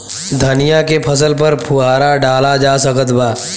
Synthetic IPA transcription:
d̪ʱɐnijakepʰəs̬əlpəɾpʰuaːɾaɖaːlad͡ʒaːsəkət̪baː

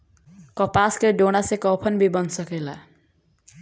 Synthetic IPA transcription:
kɔpaskeɖoɽ̃asekɔpʰʌnbʱibʌnsʌkela̰

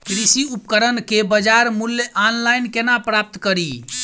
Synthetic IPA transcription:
kɾisiupkəɾənkebəd͡ʒaɾmuljʔanlajnkenapɾap̚t̪kəɾi

